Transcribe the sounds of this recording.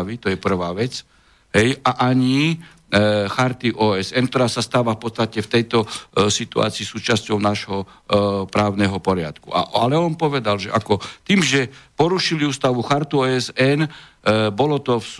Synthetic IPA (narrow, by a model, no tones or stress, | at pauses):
ʋit̪ɔjɛpr̩ʋaːʋɛt͡s | ɦɛjaʔaɲi | xaɾt̪iʔɔːɛsɛnkt̪ɔɾaːsast̪aːʋafpɔt̪t͡st̪acɛft̪ɛjt̪ɔsit̪ua̰ːt͡siːsuːt͡ʃascɔʊnaʒɦɔ | pɾaːʊnɛɦɔpɔɾɪa̰t̪kṵʔa̰ʔalɛɔnpɔʋɛd̪alʒɛ̰ʔakɔt̪iːmʒɛpɔɾuʃiliuːst̪aʋuxaɾt̪uɔːɛsɛn | bɔlɔt̪ɔfs